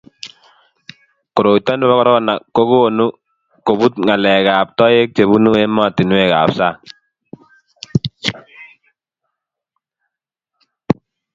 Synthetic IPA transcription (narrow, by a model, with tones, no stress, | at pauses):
kɔ˨ɾo˨i˨tːa˦ndɛ˦βa˦kɔ˦ɾɔ˦kɔ˦na˨kːo˦ɡu˦o˨nu˦ | ko˨βu˦tŋa˨lɛ˨ka˨p̚tɔ˦je˦k̚t͡ʃe˨βu˦nu˦e˦mɔ˦˨ti˨nwɛ˦˨ka˨psa˦˨